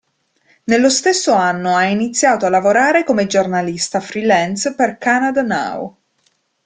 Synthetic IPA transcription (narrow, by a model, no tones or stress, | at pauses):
nelːost̪esːoanːoainit̪sːjaːt̪oalːavoɾaːɾekomed͡ʒornalist̪afɾilɛnsperkanad̪ana̰w̰